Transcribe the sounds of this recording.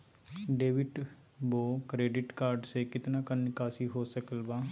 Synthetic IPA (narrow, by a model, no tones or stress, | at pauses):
ɖeːʋɪʈ | boːkɾeːɖɪʈkaːɾɖsekɪt̪nakənkaːsiɦoːsəkəlbaː